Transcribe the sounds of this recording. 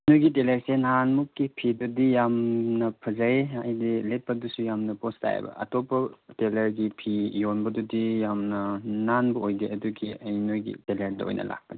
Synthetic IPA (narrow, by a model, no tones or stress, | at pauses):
nojɡiteleɾsenɦanmukːipʰidudijamnɐpʰɐzaeajdilet̚pɐdusujamnɐposta̰j̰bɐ̰ɐ̰tɔpɐtelɐɾɡipʰijonbɐdudijamnɐnanbɐojdeɐduɡiɐjnojɡḭteledɐ̰o̰jnʔɐ̰la̰k̚pɐdi